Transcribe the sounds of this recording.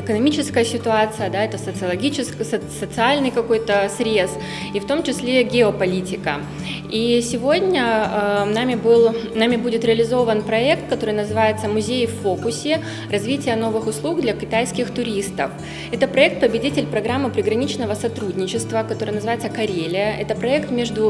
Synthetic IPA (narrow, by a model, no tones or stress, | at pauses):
ɪkənɐmʲit͡ɕɪskəjəsʲɪt̪ʊat̪sɨjəd̪aɛt̪əsət̪sɨɐlˠɐɡʲit͡ɕɪsksət̪sɨalʲnɨjkɐko̞jt̪əsɾʲe̞s | ift̪o̞mt͡ɕɪsʲlʲeɡʲɪopɐlʲitʲɪkə̰ | isʲɪvo̞dʲnʲənamʲɪbɨlˠnamʲɪbudʲɪt̪ɾʲɪəlʲɪzo̞vənpɾɐɛk̚t̪̚kɐt̪o̞ɾɨjnəzɨvajɪt̪səmʊzʲejfːokʊsʲɪ | rɐzvʲitʲɪjəno̞vɨxʊslˠuɡd̪lʲɐkʲɪt̪ajskʲɪxt̪ʊɾʲist̪ə̰f | ɛt̪əpɾɐɛk̚t̪̚pəbʲɪdʲitʲɪlʲpɾɐɡɾamːɨpɾʲɪɡɾɐnʲit͡ɕnəvəsɐt̪ɾudʲnʲɪt͡ɕɪst̪vəkɐt̪oɾəɨjənəzɨvajɪt̪səkɐɾʲelʲɪjəʔɛt̪əpɾɐɛkt̪mʲeʐd̪ʊ